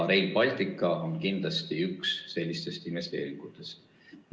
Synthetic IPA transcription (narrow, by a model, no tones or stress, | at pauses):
ɾe̞jlpɑlʲt̪ikˑːɑonkind̪lɑst̪iyksːe̞lʲːist̪e̞st̪imest̪e̞̰ːɾiŋɡut̪e̞st̪